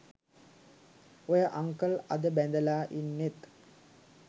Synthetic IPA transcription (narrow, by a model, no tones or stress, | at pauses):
ojəʔaŋkəlɐd̪əbɛnd̪əlaːʔinːet̪